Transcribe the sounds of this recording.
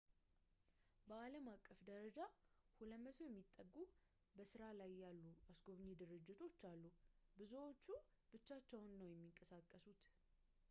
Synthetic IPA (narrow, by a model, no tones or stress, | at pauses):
bəaləmakʼːəfd̪əɾəd͡ʒahuləmːət̪ʰojɛmːit̪ʼːəɡːu | bəsɨɾalajːalːuasɡo̞βɲːed̪ɨɾɨd͡ʒːɪt̪ʰo̞t͡ʃːalːubɨzuwo̞t͡ʃːu | b̥ɨt͡ʃːat͡ʃːɛwnːəwjɛmːiŋkʼəsakʼːəsut̪